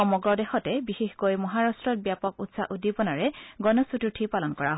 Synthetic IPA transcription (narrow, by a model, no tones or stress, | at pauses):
ɔmɔɡɹɔdɛxɔtɛbixexkojmɔɦaɹastɹɔt̚bjapɔk̚utsaʔudibɔnaɹɛɡɔnɔsututʰipalɔnkɔɹaɦ